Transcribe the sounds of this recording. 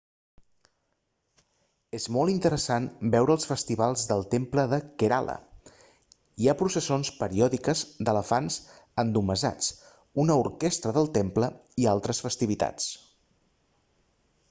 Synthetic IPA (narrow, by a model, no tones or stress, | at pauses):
ezmɔlˠint̪əɾəsanbɛwɾəːlˠsfəst̪iβalˠzðəlˠt̪empləðəkeɾa̰lʔə̰ | iapɾusəsonspəɾiɔðikəzd̪ələfanz | ənd̪uməza̰t͡s | unəuɾkɛst̪ɾəðəlˠt̪empləialˠt̪ɾəsfəst̪iβit̪a̰t͡s